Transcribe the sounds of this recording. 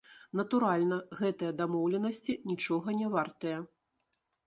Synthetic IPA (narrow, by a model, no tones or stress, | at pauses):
nɐt̪uɾalʲnɐɣɛt̪ɐjɐd̪amɔwlʲɛnɐsʲt͡sʲinʲit͡ʂɔɣɐnʲɛvart̪ɐjɐ